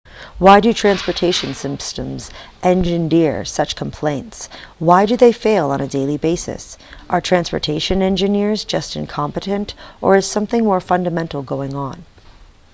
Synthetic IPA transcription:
waɪdɨtʰɹ̥æ̃nspə˞tʰeɪʃɨ̃nsɪ̃mpstə̃mzʔɛ̃nd͡ʒɨ̃ndɪɹsʌt͡ʃkʰm̩pʰl̥ẽɪ̃ntswaɪdɨðeɪfeɪlˠə̃nɨdeɪlˠibeɪsɨ̰sʔə˞tʰɹ̥æ̃nspə̰˞tʰeɪʃɨ̃nɛ̃nd͡ʒɨnɪɹzd͡ʒʌstɨ̰̃nkʰɑ̃mpɨɾɨ̃ntʔə̰˞ɨz̥sʌ̃mθɪ̃ŋmɔɹfʌ̃ndɨmɛ̃ntˡl̩ˠɡoʊɪ̃ŋə̃n

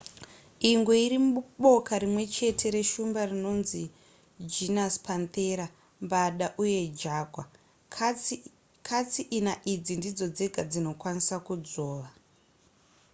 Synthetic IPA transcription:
iŋɡeiɾimuuɓo̞kaɾimwe̞t͡ʃe̞tʰe̞ɾe̞ʃumbarino̞nzi | d͡ʒinaspant̪e̞ɾa | mbaɗaʔuje̞d͡ʒaːɡʱwa | kʰat͡siʔinaʔid͡zindid͡zo̞d͡ze̞ɡʱad͡zino̞kwanisakud͡zo̞ːʋa

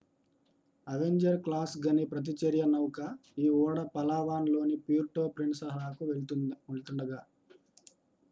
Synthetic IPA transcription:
ɐʋeɲd͡ʒɐɾklaːsɡɐnipɾɐt̪̬it͡ʃeɾjɐnɐwukɐiːɔːɽɐpɐlaːʋaːnlo̞ːnipiːɾʈo̞ːpɾiɳsɐɦaːkuʋeɭt̪uneɭt̪uɳɖɐɡaː

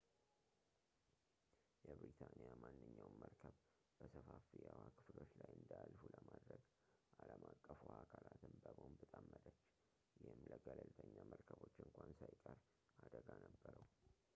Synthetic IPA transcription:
jɛbɾit̪ʰanijamanːɨɲːawməɾkʰəβ | b̥əsəfafijawakʰɨflo̞t͡ʃlajɨnd̪alfuləmad̪ɾəɡ | ʔaləmakʼːəfuakʰalat̪ɨnbəbonbɨt̪ʼamːəd̪ət͡ʃː | jɪhɨmləɡələlt̪ʰəɲːaməɾkʰəβo̞t͡ʃːɨŋkʷansajkʼəɾ | ʔad̪əɡanəbːəɾəw

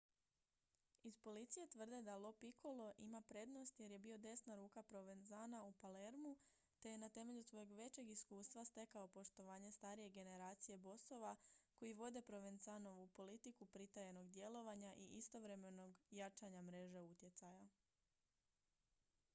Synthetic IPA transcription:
ispo̞lit̪sije̞t̪ʋr̩d̪e̞d̪alˠo̞piko̞lo̞ʔimapɾe̞d̪no̞st̪je̞ɾje̞bio̞d̪e̞snaɾuːkapɾo̞ʋe̞nzaːnaupale̞ɾmu | t̪e̞je̞nat̪e̞me̞ʎusʋo̞jeɡʋe̞t͡ɕe̞ɡiskuːst̪ʋast̪e̞kao̞po̞ʃt̪o̞ʋaːɲe̞st̪aːɾije̞ɡe̞ne̞ɾaːt̪sije̞bo̞so̞ʋako̞jiʋo̞d̪e̞pɾo̞ʋenzano̞ʋupo̞lit̪ikupɾit̪ajeno̞ɡd̪je̞lo̞ʋaɲaʔiʔist̪o̞ʋɾe̞me̞no̞ɡjat͡ʃaɲamɾe̞ʒe̞ut̪je̞t̪saja

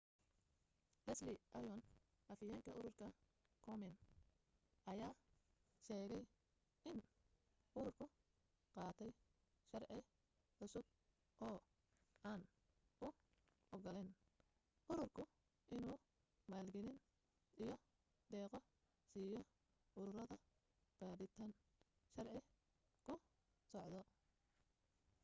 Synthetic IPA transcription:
lɐslɪʔɐjɔn | ʔɐfɪjaːŋkʰɐʔʊɾʊrkʰɐ | kʰɔmɛn | ʔɐjaː | ʃɛːɣɛj | ʔɪn | ʔʊɾʊrkʰʊ | qɑːt̪ʰɛj | ʃɐrʕɪ | ħʊsʊb̚ | ʔɔː | ʔaːn | ʔʊ | ʔɔɡɔlɛn | ʔʊɾʊrkʰʊ | ʔɪnuː | maːlɡɛlɪn | ijɞ | d̪ɛːqɔ | siːjɔ | ʔʊɾʊɾɐðɐ | b̥aːɾɪt̪ʰaːn | ʃɐrʕɪ | kʰʊ | sɔʕd̪ɔ

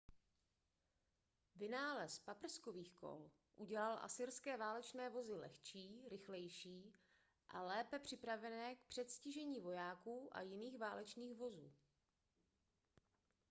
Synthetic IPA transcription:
vɪnaːlɛspapr̩sko̞viːxko̞̰l | ʔuɟɛlalʔa̰sɪɾskɛːvaːlɛt͡ʃnɛːvo̞zɪlɛ̰xt͡ʃiːɾɪxlɛjʃiː | ʔalɛːpɛpr̥ɪpɾavɛnɛːk̚pr̥ɛt̪scɪʒɛɲiːvo̞jaːkuːʔa̰jɪniːxvaːlɛt͡ʃniːxvo̞zuː

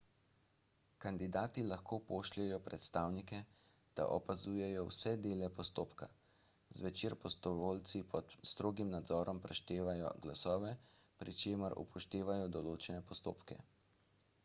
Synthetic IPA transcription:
kand̪id̪aːt̪ilaxkoːpoːʃlɛjɔpɾɛt̪st̪aːwnikɛ | d̪̥a̰ʔɔpazuːjɛjɔwsɛd̪eːlɛpɔst̪oːpka | zʋɛt͡ʃeːɾpɔst̪ɔʋoːlt̪sipʰɔt̪st̪ɾoːɡimnad̪zɔːɾɔmpɾɛʃt̪eːʋajɔ̰ɡlasɔːʋɛpɾit͡ʃeːməɾṵpʰɔʃt̪eːʋajɔd̪ɔloːt͡ʃɛnɛpɔst̪o̰ːpkɛ̰

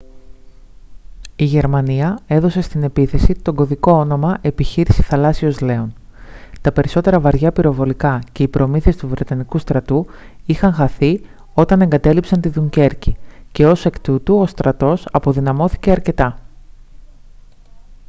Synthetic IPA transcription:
iʝe̞ɾmɐniɐe̞ðo̞se̞st̪ine̞piθe̞sit̪o̞ɡo̞ðiko̞ono̞mɐʔe̞piçiɾisi̥θɐlɐsio̞zle̞o̞nt̪ɐpe̞ɾiso̞t̪e̞ɾɐvɐɾʝɐpiɾo̞vo̞likɐce̞ipɾo̞miθiest̪uvɾe̞t̪ɐnikust̪ɾɐt̪u | ixɐŋxɐθi | o̞t̪ɐne̞ŋɡɐt̪e̞lipsɐnt̪iðuɲɟe̞ɾcice̞o̞se̞kt̪ut̪uo̞st̪ɾɐt̪o̞sɐpo̞ðinɐmo̞θi̥ce̞ɐɾce̞t̪ɐ

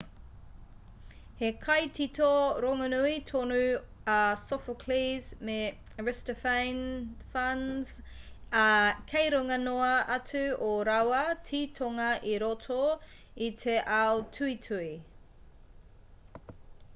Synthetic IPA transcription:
hekʰɐjtʰitʰoɾoŋɐnuit̪ʰonʉ | asofokʰlizme | ɹɛstəfajnfɐnz̥ | kʰejɾoŋɐnoɐʔɐtʉoɾɐwɐtʰiːtʰoŋɐʔiɾotʰoit̪ʰeʔawtʰʉitʰʉi

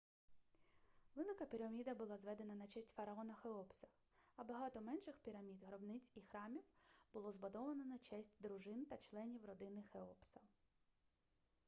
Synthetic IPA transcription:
ʋɪlˠɪkɐpʲiɾɐmʲid̪ɐbʊlˠɑzʋɛd̪enɐnɐt͡ʃɛsʲtʲfɐɾɐɔnɐxeɔpsɐ̥ | ɐbɐɦɑt̪ɔmɛnʃɪxpʲiɾɐmʲid̪ɦɾɔbnɪt͡sʲixɾɑmʲiwb̥ʊlˠɔzbʊd̪ɔʋɐnɔnɐt͡ʃɛsʲtʲd̪ɾʊʒɪnt̪ɐt͡ʃlˠɛnʲiwrɔd̪ɪnɪxeɔpsɐ

